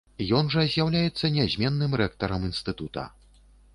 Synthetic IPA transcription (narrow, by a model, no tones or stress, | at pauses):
jɔnʐɐzʲjawlʲajɛt̪sːɐnʲazʲmʲɛnːɨmɾɛk̚t̪ɐɾɐminst̪ɨt̪ut̪ɐ̰